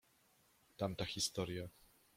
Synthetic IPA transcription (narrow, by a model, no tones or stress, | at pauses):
t̪amt̪axʲist̪ɔɾja